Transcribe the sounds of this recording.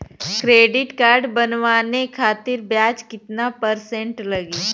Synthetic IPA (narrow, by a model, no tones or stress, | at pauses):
kɾeːɖɪʈkaːɾɖbənʋaːnekʰaːt̪ɪɾbjaːd͡ʒkɪt̪napəɾsẽɳʈlɐɡleː